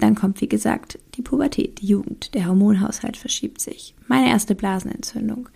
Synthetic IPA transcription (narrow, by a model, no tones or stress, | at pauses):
d̥ankʰɔmtv̥iːɡəza̰ːktd̥iːpʰubɛɐtʰɛ̰ːt̚d̥iːjuːɡŋ̩td̥eːɐɦɔɐmoːnɦaʊsha̰ltfɛɐʃiːp̚tz̥ɪ̰çmaɪnəʔḛːɐstəblaːzn̩ɛ̰nt͡sʏndʊŋ